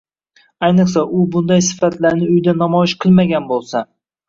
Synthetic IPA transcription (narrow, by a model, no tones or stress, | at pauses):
ajnɨqsaʔʊbʊnd̪ajsɪ̥fat̪laɾnɪʊjd̪anamɒjɪʃqʰɨlˠmaɡʲanbolˠsa